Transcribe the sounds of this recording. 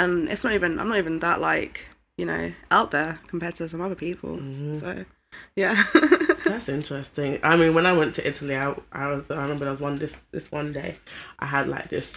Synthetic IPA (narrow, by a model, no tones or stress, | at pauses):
ə̃nɪ̰tsnəɾiːvɨ̃nãɪ̃mnətiːvə̃nðəʔlaɪk | jɨnoʊaʊʔ̪̚ðə˞kʰəm̩pʰɛːtʰəsʌ̃mʌðəpʰiˑpʰə̰l̩ˠm̩ssoʊ | jæ | ðætsɪ̃nt͡ʃɹ̥ɛstɪ̃ŋa̰ɪmĩnwə̃naɪwɛ̃ntʰɨʔɪtʰəliaɪʔa̰ɪwʌzaɪɹɪmɛ̃mbə˞aɪwʌzwʌ̃nðɪsðɪ̰swʌ̃ndeɪʔaɪədˡla̰ɪk̚ðɪs